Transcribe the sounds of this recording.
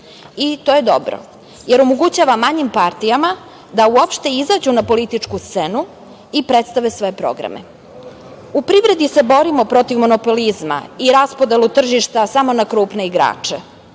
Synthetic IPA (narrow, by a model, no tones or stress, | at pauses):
it̪oje̞d̪o̞̰bɾo̰ | jeɾomoɡut͡ɕaːʋamːaɲimpaɾt̪ijama | d̪auo̞pʃt̪e̞izad͡ʑunapo̞lit̪it͡ʂkust̪senu | ipɾet̪st̪aʋesʋo̞je̞pɾo̰ɡɾa̰mḛ | upɾiʋɾe̞d̪ise̞bo̞ɾimo̞pɾo̞t̪iʋmo̞no̞po̞lizma̰iɾaspod̪e̞lut̪r̩ʒiʃt̪asamo̞nakɾuːpne̞iɡɾa̰ːt͡ʂe